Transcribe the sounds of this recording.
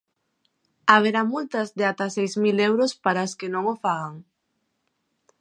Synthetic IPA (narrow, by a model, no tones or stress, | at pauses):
aβ̞eɾamult̪ɐzdeat̪asejzmilewɾospaɾaskɪnõŋofaɣaŋ